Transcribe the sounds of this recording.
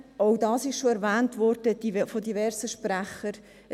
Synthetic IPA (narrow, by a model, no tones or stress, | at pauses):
owdɑːsɪʃʃoɛɾvæːntvɔɾd̥əd̥ifodivɛɾsəʃpɾæχəɾ